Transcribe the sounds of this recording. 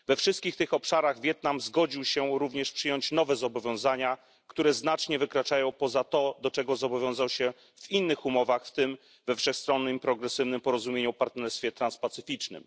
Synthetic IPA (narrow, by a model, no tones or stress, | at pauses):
vɛfʂɘst̪̚kʲixt̪ɘxɔpʂaɾaɣvʲjɛt̪̚namzɡɔd͡ʑiwɕɛɾuvɲɛʂpʂɘjɔɲt͡ɕnɔvɛzɔbɔvʲjɔ̃w̃zaɲa | kt̪uɾɛznat͡ʂɲɛvɘkɾat͡ʂajɔ̃w̃pɔzat̪ɔd̪ɔt͡ʂɛɡɔzɔbɔvʲjɔ̃w̃zawɕɛ | vinːɘxumɔvaxft̪ɘm | vɛfʂɛxst̪ɾɔnːɘmpɾɔɡɾɛsɘvnɘmpɔɾɔzumʲjeɲupaɾt̪nɛɾst̪fʲjɛt̪ɾanspat̪sɘfʲit͡ʂnɘ̰m